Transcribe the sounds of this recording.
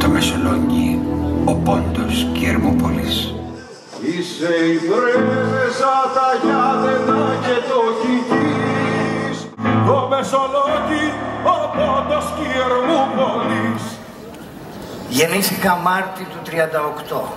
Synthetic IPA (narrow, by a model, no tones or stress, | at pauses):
t̪omesoloɲɟiopond̪oscieɾmupolis | iseivɾevevesɐt̪ɐʝɐðenɐcet̪ocit̪i | s | omesolociopond̪oscieɾmupolis | ʝe̞nisixɐmɐɾt̪it̪ut̪ɾiɐnd̪ɐokt̪o̞